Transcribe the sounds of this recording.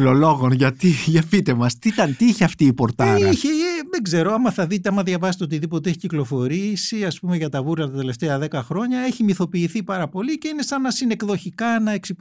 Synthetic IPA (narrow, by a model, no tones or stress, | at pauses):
lolo̞ɣo̞nʝɐt̪iʝɐfit̪e̞mɐst̪it̪ɐnt̪iiçeɐft̪iːpo̞ɾt̪ɐɾɐiçeðeɡze̞ɾo̞ɐmɐθɐðit̪eɐmɐðʝɐvɐset̪eot̪̬iðipo̞t̪eeçi̥ciklo̞fo̞ɾisiɐspume̞ʝɐt̪ɐvuɾɐt̪ɐt̪e̞le̞ft̪eɐðe̞kɐxɾo̞ɲɐe̞çimiθo̞piːθipɐɾɐpo̞lice̞ine̞sɐnɐsine̞kðo̞çikɐnɐeksi